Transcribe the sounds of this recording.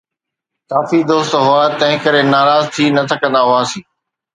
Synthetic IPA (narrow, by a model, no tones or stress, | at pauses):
kaːfid̪oːst̪ɦʊaːt̪ɐ̃ɦɪ̃kəɾenaːɾaːzt̪ʰiːnɐt̪ʰɐkɐ̃nd̪aɦʊaːsĩː